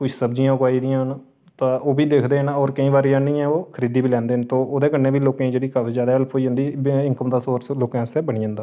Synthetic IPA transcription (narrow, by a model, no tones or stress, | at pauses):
kʊt͡ʃʰsəbd͡ʒijãːʊkaːiːd̪ɪjãːɦən | t̪ãːoːbiːd̪eːkʰd̪eːənɔːɾkəĩːbaːɾijanĩːɛ̃ːoːkʰəɾiːd̪iːbiːlɛ̃ːnd̪eːnt̪oːoːd̪eːkənːẽːbiːloːkãːiːd͡ʒeːɽiːkaːfʰizjaːd̪aːɦəlpʰoːiːɦʊ̃nd̪iːɪŋkəmd̪aːsoːɾsloːkãːseːbəɳiːə̃nd̪aː